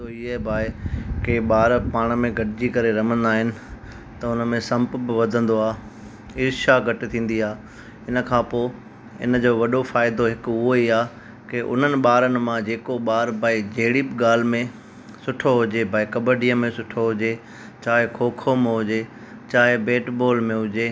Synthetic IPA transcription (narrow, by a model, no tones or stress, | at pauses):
t̪oɪɦebʱaːɪkeɓaːɾpaːɽ̃mẽɡʱɐʈɪd͡ʑikɐɾeɾɐm̤ə̃nd̪aːɦɪnɪ̆ | t̪ɐʊnə̆mẽsɐ̃mpbɪʋɐd̪ʱə̃nd̪oaː | ɪɾʃaɡʱɐʈɪt̪ʰĩːn̆d̪iaː | ɪnə̆kʰãːpoː | ɪ̰nd͡ʑoːʋɐɗofaːɪd̪oɦɪkʊɦoiaː | kɪʔʊ̰n̤ənɪ̆ɓaːɾənɪ̆mãd͡ʑeːkoɓaːɾbʱaːid͡ʑeɦɪɽibɠaːl̤mẽ | sʊʈʰoɦʊd͡ʑebʱaːikɐbəɖijəmẽsʊʈʰoɦʊd͡ʑe | t͡ɕaːɦɪkʰoːkʰomẽɦʊd͡ʑe | t͡ɕaːɦɪbeːʈboːlmẽɦʊd͡ʑeː